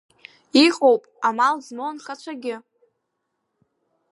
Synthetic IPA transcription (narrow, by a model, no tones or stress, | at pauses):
iqʼowpʼamalzmonχat͡ʃʷʰaɡʲɪ